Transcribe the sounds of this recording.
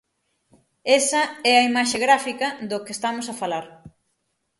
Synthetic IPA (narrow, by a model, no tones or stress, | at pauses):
esɐɛɐimaʃeɣɾafikɐðokest̪amʊsɐfalaɾ